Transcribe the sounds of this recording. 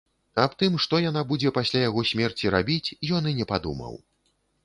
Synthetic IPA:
apt̪ɨmʂt̪ɔjanabud͡zʲɛpasʲlʲajaɣɔsʲmʲɛrt͡sʲiɾabʲit͡sʲjɔnɨnʲɛpad̪ṵmɐ̰w

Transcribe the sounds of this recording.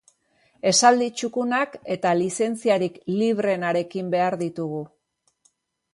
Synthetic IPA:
e̞sald̪it͡ʃukunake̞t̪alise̞nt͡siaɾikliβ̞ɾe̞naɾe̞kimbe̞aɾðit̪uɣu

